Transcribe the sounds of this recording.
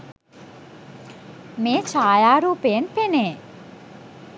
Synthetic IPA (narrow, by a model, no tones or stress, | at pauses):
met͡ɕʰajaɾupenpene